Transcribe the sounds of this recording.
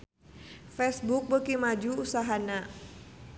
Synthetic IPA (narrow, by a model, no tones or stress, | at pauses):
fɛsbuk̚bəkimad͡ʒuːsaɦana